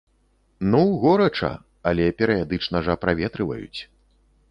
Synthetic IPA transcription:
nuɣɔɾɐt͡ʂɐ̰ | ɐlʲɛpʲɛɾɨjad̪ɨt͡ʂnɐʐɐpɾavʲɛt̪ɾɨvɐ̰jṵt͡sʲ

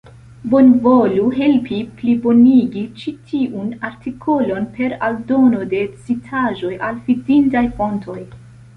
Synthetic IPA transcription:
bo̞nvoluɦe̞lpʰiplibo̞niɡit͡ʃitʰiʔunaɾtikʰo̞lo̞npe̞ɾa̰ldo̞no̞de̞t͡sitʰaʒo̞jʔalfidintajfo̞ntʰo̞j

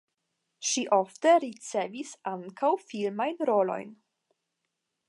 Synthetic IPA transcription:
ʃiʔofteɾit͡se̞visaŋkʰawfilmajnɾo̞lo̞̰jn

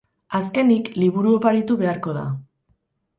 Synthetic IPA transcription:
aske̞nikliβuɾuopaɾit̪uβe̞aɾko̞ða̰

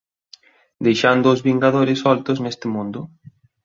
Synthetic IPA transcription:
d̪ejʃand̪ʊːzβiŋɡaðoɾɪsɔlt̪oznest̪ɪmũnd̪ʊ

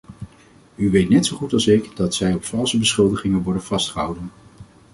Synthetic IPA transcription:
yʋejtnɛtsowχutɑlˠsɪkdɑtsɛjɔpfɑlˠsəbəsχɵlˠdəχɪŋənʋɔɹdənv̥ɑstχəɦʌ̰wdən

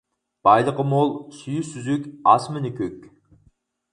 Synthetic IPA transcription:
b̥ɑjlˠəqəmolˠsyjysyzykʲɑsmɪnɪkʲøkʲ

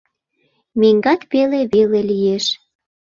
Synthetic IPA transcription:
meŋɡɑt̪peleβelelijeʃ

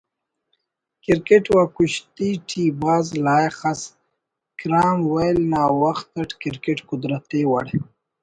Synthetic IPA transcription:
kɪɾkeʈwakuɕt̪iʈʰibaːzlaːjxas | kɾaːmwajlnaːwaxt̪aʈkɪɾkeʈkʊd̪ɾat̪ewa̰ɽe

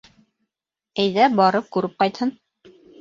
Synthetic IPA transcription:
æjðæbɑɾɤp̚kʉɾɘp̚qɑjt̪hɤn

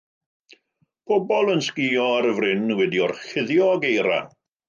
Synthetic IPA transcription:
pʰɔbɔlˠənskɪɔaɾəvrɪnwɛdiɔrχɪðjɔɡejɾa̰

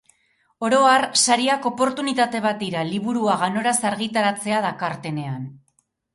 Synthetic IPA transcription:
o̞ɾo̞arsaɾiako̞po̞ɾt̪unit̪at̪e̞β̞at̪̚d̪iɾaliβuɾuaɣano̞ɾasaɾɣit̪aɾat͡se̞aðakaɾt̪e̞ne̞an

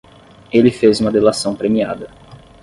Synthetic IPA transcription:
elɪfezũmɐd̪elasɐ̃w̃pɾemiad̪ɐ

